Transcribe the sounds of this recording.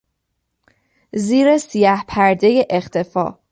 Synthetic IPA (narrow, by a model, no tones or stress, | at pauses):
ziːɾesijæhpʰæɾd̪e̞jeʔext̪ʰe̞fɒ̰ː